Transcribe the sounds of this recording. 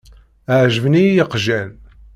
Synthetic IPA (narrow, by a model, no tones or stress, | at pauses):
ʕʒəvnijəqʒæn